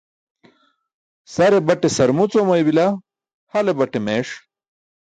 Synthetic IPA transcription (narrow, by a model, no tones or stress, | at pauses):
sɐɾebɐʈesɐɾmut͡somɐjbila | hɐlebɐʈemeːʂ